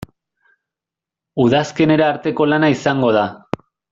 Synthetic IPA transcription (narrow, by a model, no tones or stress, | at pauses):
uðaske̞ne̞ɾaːɾt̪e̞ko̞lanaisaŋɡo̞ð̞a